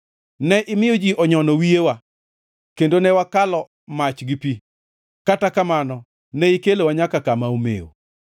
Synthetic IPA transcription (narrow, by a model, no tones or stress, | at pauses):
nɛʔɪmɪjɔd͡ʒiʔɔɲɔnɔwiewa | kendonɛwakalɔ | mat͡ʃɡipi | katakamanɔ | nɛikelowaɲakakamaomḛo̰